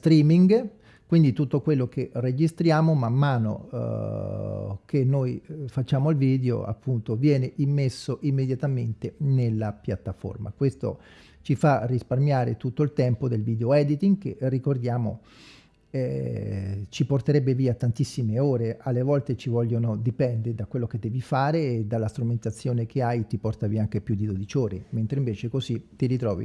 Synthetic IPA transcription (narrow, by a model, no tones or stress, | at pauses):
st̪ɾiːmiŋɡ | kwind̪it̪ut̪ːokwelːokerːed͡ʒist̪ɾjaːmomamːaːno̰ | kenːojfat͡ʃːaːmoilviːd̪eo̰a̰pːunt̪ovjɛːneʔimːesːoʔimːed̪jat̪ament̪enelːapjat̪ːafo̰rma̰kwest̪o̰ | t͡ʃifarisparmjaːɾḛt̪ut̪ːoilt̪ɛmpod̪elviːd̪eoɛd̪it̪iŋɡkḛrːikord̪jaːmo̰ | ɛ | t͡ʃiport̪eɾɛbːeviːaːt̪ːant̪isːimeoːɾealːevɔlt̪et͡ʃivɔʎːonod̪ipɛnd̪ed̪akwelːoked̪ːɛːvifaːɾeːd̪alːast̪ɾument̪at̪sːjoːnek̟ʰeajt̪ipɔrt̪aviːaaŋk̟epjud̪ːid̪od̪it͡ʃoːɾement̪ɾeiɱveːt͡ʃekozit̪iɾit̪ɾɔːvḭ